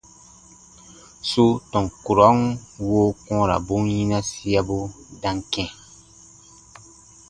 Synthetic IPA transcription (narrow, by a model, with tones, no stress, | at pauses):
su˦tɔ̃˨ŋku˨ɾa˦ŋ˦woː˦kɔ̃ː˦ɾa̰˨bu˦ŋjĩ˦nã˦si˦a˦bu˦dã˦ŋkɛ̃˦˨